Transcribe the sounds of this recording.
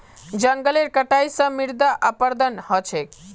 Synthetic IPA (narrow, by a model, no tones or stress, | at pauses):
d͡ʒəŋɡəleɾkəʈajsʌ̃miɾd̪aʔapəɾd̪ʱənhɔt͡ʃʰek